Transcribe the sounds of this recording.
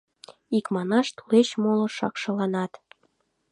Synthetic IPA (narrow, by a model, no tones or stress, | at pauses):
ikmɑnɑʃt̪u̥leʃmolŏʃɑ̰kʃɤ̆lɑnɑt̪